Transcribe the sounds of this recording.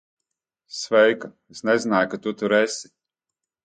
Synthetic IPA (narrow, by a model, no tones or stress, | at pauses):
svɛjka | esnɛzinaːjkat̪ut̪uɾesʲi̥